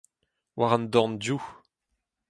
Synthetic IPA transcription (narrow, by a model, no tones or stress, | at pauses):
waʁand̪ɔ̃ndju